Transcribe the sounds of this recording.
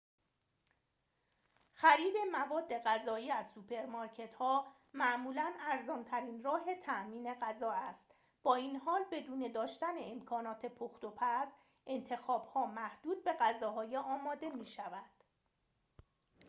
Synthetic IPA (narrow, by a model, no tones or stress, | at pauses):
xæɾiːd̪e̞mævɒːd̪ːe̞ɣæzɒːiːæzsupʰe̞ɾmɒɾcʰe̞t̪hɒː | mæʔmuːlænæɾzɒːnt̪ʰæɾiːnrɒːɦe̞t̪ʰæʔmiːne̞ɣæzɒːæst̪ | b̥ɒːiːnɦɒːlbe̞d̪uːne̞d̪ɒːʃt̪æneemkʰɒːnɒːt̪ʰe̞pʰoxt̪opʰæs | ʔe̞nt̪ʰe̞xɒːbhɒːmæhd̪̥uːd̪̚be̞ɣæzɒːɦɒːjeʔɒːmɒːd̪e̞miːʃævæd̪̥